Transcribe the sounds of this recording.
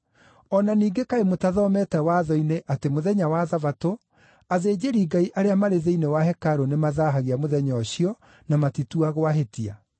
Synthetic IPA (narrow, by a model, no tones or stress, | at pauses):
ɔnaniːɡekaemotaðɔmɛtɛwaðɔineʔatemoðɛɲawaðavato | aðed͡ʑeɾiɡaiʔaɾeamaɾeðeinewaɦɛkaɾonemaðaɦaɣeamoðɛɲɔɕiɔ | namatituaɣowaɦetia̰